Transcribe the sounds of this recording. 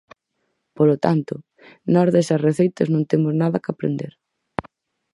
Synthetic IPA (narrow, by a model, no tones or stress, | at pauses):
polot̪ant̪ʊ | nɔzðesɐsreθejt̪ɐznõŋt̪emʊznaðɐkapɾḛnd̪eɾ